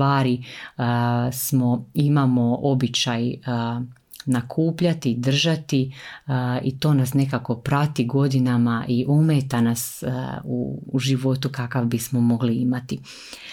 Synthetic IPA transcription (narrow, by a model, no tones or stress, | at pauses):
aːɾi | smo̞imamo̞ʔo̞bit͡ɕaj | nakʰuːpʎat̪id̪r̩ʒat̪i | it̪o̞ːnasne̞kako̞pɾat̪iɡo̞d̪inamaʔiʔumeːt̪anasṵːʒiʋo̞t̪ukakaʋbismo̞mo̞ɡliimat̪i